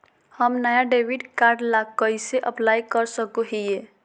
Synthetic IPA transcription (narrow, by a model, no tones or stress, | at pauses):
həmnəjaɖeʋiɖkaɾɖlakəjseʔəplajkəɾsəkoɦije